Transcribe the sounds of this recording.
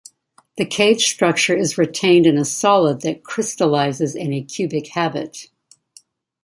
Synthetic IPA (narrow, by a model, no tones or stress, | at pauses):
ðɨkʰeɪd̥ʒ̥stɹ̥ʌk̚t͡ʃə˞ɨzɹɨtʰẽɪ̃ndɨ̃nɨsɑlˠəd̪̚ðɨt̚kʰɹ̥ɪstəlaɪzɨzɨ̃nɨkʰj̥ʉbɨkhæbɨ̰t̚